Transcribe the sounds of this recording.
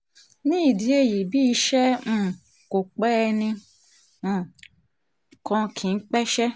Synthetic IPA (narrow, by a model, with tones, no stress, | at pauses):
nĩ˦i˦˨di˨˦e˦˨ji˨bi˦i˧ʃɛ̃˦˨ | ko˨k͡pɛ˦˧nĩ˧˦˨ | kɔ̃˧kʰĩ˨n̩˦k͡pɛ˦ʃɛ˦